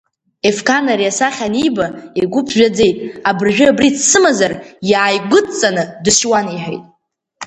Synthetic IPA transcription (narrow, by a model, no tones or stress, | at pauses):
e̞fkʰanaɾijasaχʲanijbaeɡʷʊpʰʒᶣad͡ze̞jtʼabɨrʒᶣɪabrit͡sʰsɨmazarjaːjɡʷʊt͡sʼanɨdɨʃwaniħḛjtʼ